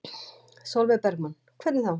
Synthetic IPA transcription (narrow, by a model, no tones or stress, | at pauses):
sowlvɛpɛɾkman | kʰvɛɾt̪nɪθaw